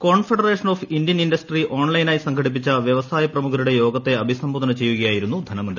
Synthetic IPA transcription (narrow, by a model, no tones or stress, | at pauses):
ko̞ːɳfeɽɐreːʂɐno̞ːfind̪jɐninɖɐsʈriʔo̞ːɳlɐjnaːjsɐŋkʰɐɽip̬ːit͡ɕːɐʋjɐʋɐsaːjɐprɐmukʰɐɾuɽe̞jo̞ːɡɐt̪ːe̞ɐbʱisɐmboːd̪ɐnɐt͡ɕe̞jːuɣɐjaːjiɾunːud̪ʱɐnɐmund